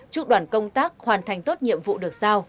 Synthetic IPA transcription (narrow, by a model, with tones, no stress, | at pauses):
t͡ɕu˦˥k̚ɗwaː˧˩nkə˧wŋ͡mt̪aː˦˥k̚hwaː˨˩nt̪ʰa˨˩jŋ̟t̪o˦˥t̚ɲḭ˧˨əmvṵ˧˨ɗɨ˨˩ək̚zaː˧w